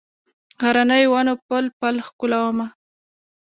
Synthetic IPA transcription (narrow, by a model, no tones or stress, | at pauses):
ɣaɾanəjwanopəlpalxkʊlawəma